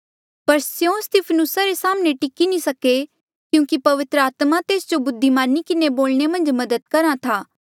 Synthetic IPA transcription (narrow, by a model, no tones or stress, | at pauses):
pɐɾsjõst̪ɪpʰənʊsaɾesaːmneʈɪkinĩsɐke | kjũːkipɐʋɪt̪ɾəaːt̪mat̪eːsd͡ʒobʊd̪ʱːimaːɾnikɪneboːlnemɐ̃nd͡ʒmɐd̪əd̪̚kɐɾat̪ʰaː